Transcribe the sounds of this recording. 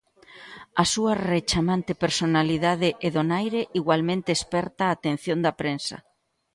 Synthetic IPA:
ɐsuɐret͡ʃamant̪epeɾsonaliðaðɪʔeðonajɾeʔiɣwalmẽnt̪eːspɛɾt̪aːt̪en̟θjond̪ɐpɾensɐ̰

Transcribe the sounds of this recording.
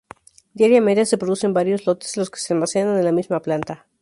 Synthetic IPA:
d̪jaɾjame̞ðjase̞pɾo̞ðuse̞mbaɾjo̞zlo̞t̪eslo̞skesealmasenananelamizmaplant̪a

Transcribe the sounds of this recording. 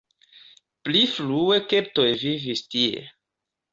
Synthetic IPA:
plifluekep̚tojvivistiḛ

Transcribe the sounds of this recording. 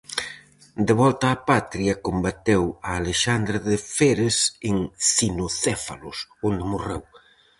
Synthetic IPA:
d̪eβɔlt̪aːpat̪ɾiɐkombat̪ewɐːleʃand̪ɾeðefeɾeseŋsinoθɛfa̰lʊ̰sond̪ɪmorew

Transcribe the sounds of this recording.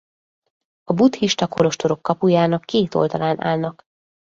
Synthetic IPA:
ɒbut̪hiʃt̪ɒkolo̞ʃt̪o̞ɾo̞kːɒpujaːnɒkːeːt̪o̞̰ld̪ɒlaːnʔa̰ːlnɒk

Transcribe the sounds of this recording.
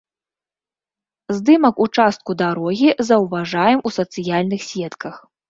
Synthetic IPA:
zd̪ɨmɐkut͡ʂast̪̚kud̪aɾɔɣʲizɐwvaʐajɛmusɐt̪sɨjalʲnɨxsʲɛt̪kɐx

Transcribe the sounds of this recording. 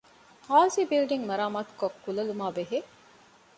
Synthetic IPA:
haːzibilɖiŋmɐɾaːmaːt̪u̥kokːulɐlumaːbeɦe

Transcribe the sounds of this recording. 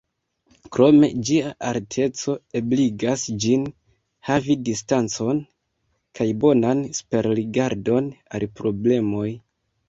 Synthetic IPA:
kɾo̞me̞̰d͡ʒiaʔaɾtʰe̞t͡so̞e̞bliɡasd͡ʒin | havidistant͡so̞n | kʰajbo̞nansu̥pe̞ɾliɡaɾdo̞na̰lpɾo̞ble̞mo̞j

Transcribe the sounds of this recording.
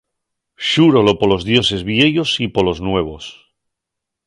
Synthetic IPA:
ʃuɾolopolozðjo̞se̞zβjeʎosipoloznwe̞β̞o̞s

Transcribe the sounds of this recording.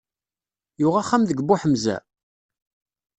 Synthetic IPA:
jʊʁaχːamðəɡbʊħəmzæ̰

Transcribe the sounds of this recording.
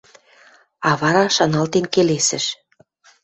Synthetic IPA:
ɑβɑɾɑʃɑnɑlt̪enkelesə̆ʃ

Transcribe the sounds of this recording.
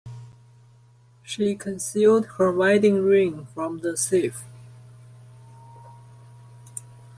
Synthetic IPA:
ʃikʰə̃nsilˠd̚hə˞ɹaɪɾɪ̃ŋɹɪ̃ŋfɹʌ̃mðəsif

